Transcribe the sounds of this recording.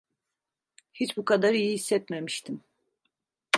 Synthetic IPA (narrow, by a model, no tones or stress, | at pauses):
hit͡ʃbukʰad̪aɾijihisːɛt̪memiʃt̪ʰim